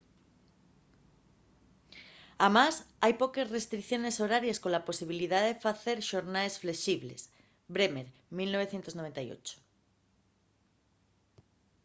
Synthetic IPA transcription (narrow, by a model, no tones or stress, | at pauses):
amasajpokesrest̪ɾikθjonesoɾaɾjeskõlaposiβ̞iliðaðefaθeɾʃoɾnaesfleʃiβlḛs | bɾemeɾ | milnoβ̞eθjent̪oznoβent̪ajo̰t͡ʃo̥